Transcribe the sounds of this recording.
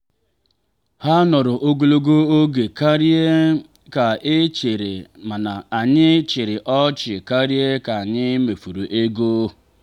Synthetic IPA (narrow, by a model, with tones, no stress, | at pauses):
ha˦nɔ˨ɾʊ˨ʔo˦ɡo˦˨lo˦ɡo˦o˦ɡe˨ka˦ɾi˦e˦ | ka˨ʔe˦t͡ʃe˨ɾe˨ma˨na˨a˨ɲɪ˦t͡ʃɪ˨ɾɪ˨ʔɔ˦t͡ʃɪ˨ka˦ɾje˦ka˨a˨ɲɪ˦me˨fu˨ɾu˨ʔe˦ɡo˦˨